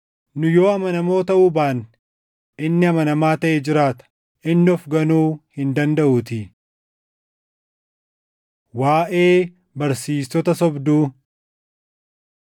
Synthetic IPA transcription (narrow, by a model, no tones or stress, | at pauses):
nʊjo̞ːɐmɐnɐmo̞ːt̪ɐʔubaːn | ʔɪnːɪɐmɐnɐmaːt̪ɐʔed͡ʒɪɾaːt̪ɐ̥ | ʔɪnːɪɔfɡɐnuːhɪnd̪ɐnd̪ɐʔʊt̪ɪ | waːʔe̞ː | bɐɾsiːsɔt̪ɐsɔbd̪uː